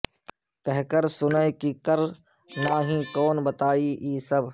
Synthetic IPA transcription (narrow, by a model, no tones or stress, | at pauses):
kəɦkəɾsʊnekiːkəɾ | naːɦĩːkoːnbət̪aːiːʔiːsəb